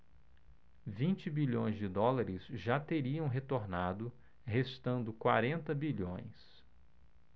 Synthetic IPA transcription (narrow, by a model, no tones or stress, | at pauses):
vĩnt͡ʃɪbiʎõj̃zd͡ʒɪd̪ɔlaɾɪsʒat̪eɾiɐ̃w̃ɦet̪oɾnad̪ʊ | hest̪ɐ̃nd̪ʊkwaɾẽnt̪ɐbiʎõ̰j̃s